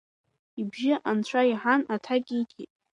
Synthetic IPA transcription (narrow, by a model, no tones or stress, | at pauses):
ibʒɪʔant͡ɕʷʰaiħanatʰakʲʼiɡʲḭtʼ